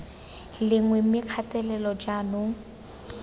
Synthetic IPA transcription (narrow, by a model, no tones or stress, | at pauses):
lɪŋwɛmɪkʰatɛlɛlɔd͡ʒanʊ